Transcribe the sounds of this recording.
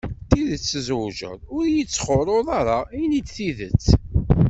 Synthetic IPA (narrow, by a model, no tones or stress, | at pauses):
t̪iðət͡sːəzʒə̰ðˤʊɾjət͡sːχʊɾˤʊðˤɑɾˤainid̪θiðət͡sː